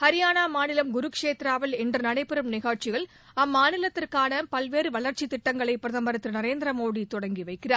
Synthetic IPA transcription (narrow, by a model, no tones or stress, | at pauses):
hɐɾɪjaːnaːmaːnɪlɐmɡʊɾɯkʂeːt̪ɪɾaːʋɐlɛndrɯnɐɽɐɪpɪɾɐmnɪɣaːʈt͡ʃɪɣɐɭ | ɐmːaːnɪlɐt̪ːɪrkaːnɐpɐlʋeːɾɯʋɐɭɐɾt͡ʃit̪ːɪʈːɐŋɡɐɭɐɪpːɾɐðɐmbɐɾɐt̪ːɪɾnɐɾeːnd̪ɾɐmoːɽit̪ɔɽɐŋɡiʋɐɪkːɪraːɾ